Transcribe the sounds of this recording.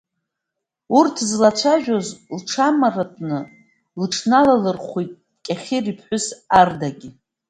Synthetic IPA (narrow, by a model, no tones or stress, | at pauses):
urtʰzlat͡ɕʷʰaʒᶣozlʈ͡ʂʰamaratʼnɨ | lʈ͡ʂʰnalalɨrχʷitʼ | kʲʼaχʲiripʰħʷʊsardaɡʲi